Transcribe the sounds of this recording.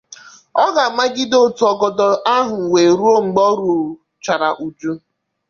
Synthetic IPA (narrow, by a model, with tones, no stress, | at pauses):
ɔ˦ɡa˨ma˦ɡɪ˦do˦˨tu˨ɔ˨ɡɔ˨dɔ˨ʔa˦ɦʊ˨we˨ɾu˦o˦ŋ͡m̩˨ɡ͡bɔ˦ɾu˨ | t͡ʃa˨ɾa˨ʔu˨d͡ʒu˦